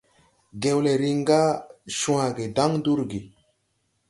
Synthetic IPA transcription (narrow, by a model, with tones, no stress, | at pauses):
ɡe˨wle˨ɾi˦ŋɡa˦ʃũ˦a˨ɡe˨da˦ŋdu˦ɾɡi˨